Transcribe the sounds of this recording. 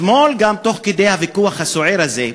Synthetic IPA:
molɡamt̪o̞χked̪e̞jhavikuaχhasoʕeɾaze

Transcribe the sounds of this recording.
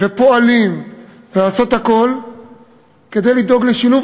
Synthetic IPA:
ve̞poalim | laːso̞t̪hako̞l | ke̞d̪e̞jlid̪o̞ɡleʃiluv

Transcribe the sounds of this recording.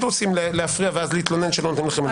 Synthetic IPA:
tʁot͡simleleafʁiaveazliit̪lo̞nenʃelonot̪imlaχeme

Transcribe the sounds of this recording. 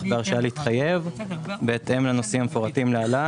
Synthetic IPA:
beaʁʃaaleit̪χajevvbeːt̪ʔemlano̞simhamefoʁatimleala

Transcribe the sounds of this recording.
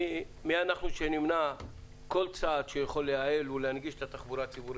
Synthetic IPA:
mianaχnuʃenimna | ko̞lt͡saːd̪ʃejaχo̞lːeaelulehanɡiʃet̪at̪aχbuɾat͡sibuɾi

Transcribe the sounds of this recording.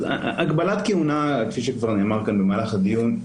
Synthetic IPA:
a̰ʔakbalat̪kijunake̥fiʃekvaʁneːmaʁkanbemalaχad̪ijun

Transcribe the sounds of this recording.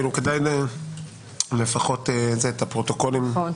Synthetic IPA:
ilukedajne | le̞faχo̞tezetapʁotoko̞lim

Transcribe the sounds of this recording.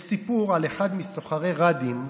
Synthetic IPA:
sipuʁaleχad̪misoχaʁeʁad̪im

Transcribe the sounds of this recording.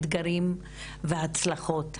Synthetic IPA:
d̪ɡaɾim | vehat͡slaχo̞t̪

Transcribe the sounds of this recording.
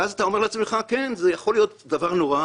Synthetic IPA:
azat̪ao̞me̞ʁleat͡smeχakenzejaχo̞lijo̞td̪avaʁnoʁa

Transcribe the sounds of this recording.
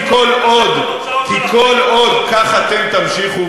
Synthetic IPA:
kolod̪ | kikʰo̞lo̞d̪kaχat̪emt̪amʃiχu

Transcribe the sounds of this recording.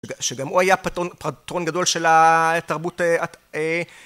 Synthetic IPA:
ʃeɡamuajaptopʁatʁo̞nɡado̞lʃe̞lataʁbuteae

